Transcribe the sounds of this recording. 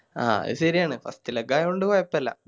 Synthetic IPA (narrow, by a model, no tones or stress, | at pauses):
a̰ːḭðɨɕɐɾijaːɳɨfɐ̰st̪ilɐɡaːjoɳɖɨʋaːjɐpːɐlːɐ̰